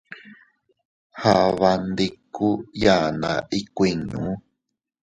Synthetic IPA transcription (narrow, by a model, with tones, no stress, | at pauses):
ha˨βa˧nd̪i˧ku˦ja˨na̰˨ʔi˧kʷi˨ɲṵ̃˨˦